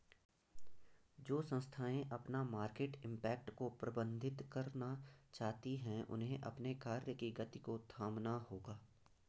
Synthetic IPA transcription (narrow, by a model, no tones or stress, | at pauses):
d͡ʒoːsə̃nst̪ʰaːẽʔɐpnamaːɾkeːʈɪ̃mpɛːk̚ʈkopɾɐbə̃nd̪ʱɪt̪kɐɾnat͡ʃaːɦt̪iɦɛ̃ʔʊ̰nɦẽʔɐ̰pnekaːɾjəkiɡɐt̪ikot̪ʰaːmnahoːɡaː